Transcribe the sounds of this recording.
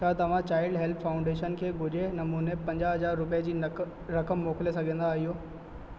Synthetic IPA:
at̪ɐʋ̤ãt͡ɕaːɪlɖɦɛlpfaːʊ̃ɳɖeːʃənkʰeːɡʱʊd͡ʑʱenɐmuːnepɐ̃ɲd͡ʑaɦɐzaːɾːʊpid͡ʑiː | ɾɐkəmːoːkɪlesɐɡʱə̃n̆d̪aːɦɪɦoː

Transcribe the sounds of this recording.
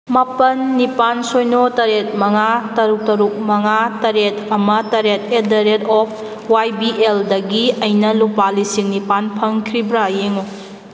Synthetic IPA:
mapɐnːipansojnotɐɾet̚mɐŋatɐɾuk̚tɐɾuk̚mɐŋatɐɾet̚ɐmɐtɐɾet̚edɐɾetɔp̚ʰ | wajbiʔeldɐɡiɐjnɐlupalisiŋnipanpʰɐŋkʰɾibɾajeŋo

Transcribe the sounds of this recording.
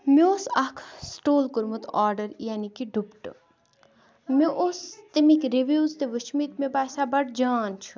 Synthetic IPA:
meosakʰsʈoːlkuɾmut̪ʰaːɾɖəɾjaːnikiɖʱupʈɨ̰ | meʔost̪imikɾeʋjuːzt̪eʋət͡ʃʰmit̪mebaːsabɐʈd͡ʒaːnt͡ʃʰu̥

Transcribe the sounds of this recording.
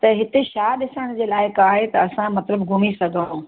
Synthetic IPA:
t̪ɐɦɪt̪eʃaːɗɪsəɽ̃d͡ʑeːlaːɪkaːɦet̪ɐɐsãmɐt̪ləbɡʱʊmisɐɡʱəũː

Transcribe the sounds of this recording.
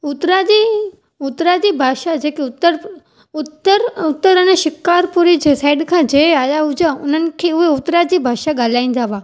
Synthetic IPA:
ʊt̪ɾad͡ʑi | ʊt̪ɾad͡ʑiːbʱaːʃad͡ʑeːkeʊt̪ːəɾ | ʊt̪əɾʊt̪ːəɾəneʃɪkaːɾpuɾid͡ʑesaːɪɖkʰãd͡ʑeaːjaɦʊd͡ʑaʊn̤ənɪ̆kʰeːʊɦeʊt̪ɾad͡ʑiːbʱaːʃaɠaːl̤aːĩːn̆d̪aːʋaː

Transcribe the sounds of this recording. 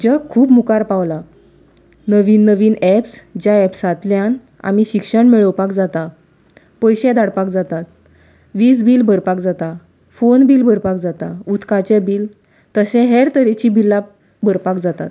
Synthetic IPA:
d͡ʑəkʰːuːpmukaɾpaʋla | nəʋiːnːəʋiːnɛpsd͡ʑjaɛpsat̪ljãn | a̰miɕikʂəɳmeɭəwpakd͡zat̪a | pəjɕɛ̃d̪aɽpakd͡zat̪at̪ | ʋiːsbiːlbʱəɾpakd͡zat̪a | fonbilbəɾpakd͡zat̪aut̪kat͡ɕebiːl | t̪əsɛ̃ɦeɾt̪əɾet͡ɕibilːa | bʱəɾpakd͡zat̪a̰t̪̚

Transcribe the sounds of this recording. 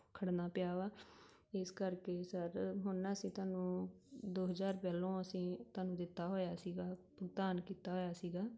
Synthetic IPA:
kʰəɽnaːpjaːʋaː | ɪskəɾkeːsəɾɦʊnːaːsĩːt̪ʊaːnũːd̪oːɦəzaːɾpɛːlõːəsĩːt̪ʊaːnũːd̪ɪt̪ːaːɦoːjaːsiːɡaːpəɡd̪aːnkiːt̪aːɦoːjaːsiːɡaː

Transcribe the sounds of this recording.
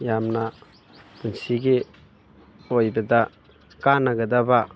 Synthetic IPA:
jamna | tunsiɡi | ojbɐda | kanaɡɐdaba

